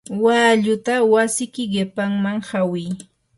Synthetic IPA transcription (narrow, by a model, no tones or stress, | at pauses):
waːʎʊt̪awasɪkɪɢɪpaŋmaŋhawɪj